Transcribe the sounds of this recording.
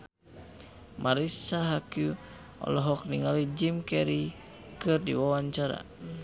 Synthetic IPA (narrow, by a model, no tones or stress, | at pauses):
mʔaɾisaɦakju | ɔ̰lɔɦɔk̚niŋalid͡ʒimkɛɾi | kɨrdḭwawaɲt͡ʃaɾa̰